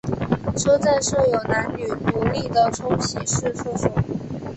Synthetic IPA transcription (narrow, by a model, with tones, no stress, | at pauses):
ʈ͡ʂʰɤ˥t͡sa˥˧nʂɤ˥˩jo˨˩ʊna˧˥nny˨˩nu˧˥li˥˩d̪ə˩ʈ͡ʂʰʊ˥ŋɕi˧˥ʂɻ̩˥˧fu˥˩ʈ͡ʂʊ˨˩˦